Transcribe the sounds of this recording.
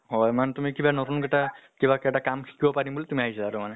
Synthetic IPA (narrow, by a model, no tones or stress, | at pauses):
ɦɔjmantumikibanɔtunkɛtakibakɛɛtakamkʰi̥kibɔpaɹimbulitumiaɦisilaːɾumanɛ